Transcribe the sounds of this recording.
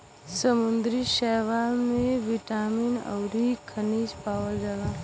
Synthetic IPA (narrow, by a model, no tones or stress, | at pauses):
səmʊnd̪ɾiʃɛːʋamẽʋɪʈaːminɔ̰wɾikʰəniːd͡ʒpaːwəld͡ʒɐɡaː